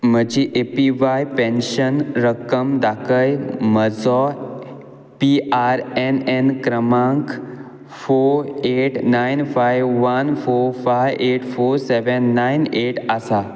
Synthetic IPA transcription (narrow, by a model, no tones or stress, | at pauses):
məd͡ʑiʔepiʋajpẽnʃənɾəkəmd̪akəjməd͡zɔ | piaɾɛnɛnkɾəmãŋk | foɾeʈnajnfajʋːənfoɾfajʔeʈfoɾsɛʋənːajneʈasa